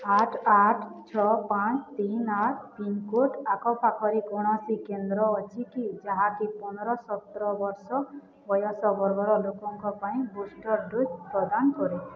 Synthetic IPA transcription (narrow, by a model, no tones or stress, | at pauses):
aʈʰaʈʰt͡ʃʰɔpãt͡ʃʰt̪inaʈʰpiŋkoʈʰakɔpʰakʰɔɾikɔɽ̃ɔsikend̪ɾɔːt͡ʃʰikid͡ʒaɦãkipɔnɔɾɔsɔt̪ɾɔbɔɾsɔ | bɔjɔsɔbɔɾɡɔɾɔlokɔŋkɔpaĩbusʈɔɾɖujpɾɔd̪ankɔɾe